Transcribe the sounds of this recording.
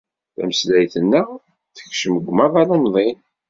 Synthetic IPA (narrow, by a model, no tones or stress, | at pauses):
θæ̰məslæjθənːæ | θə̥kʃəməɡʷːmæðˤɑlˤɑnðˤen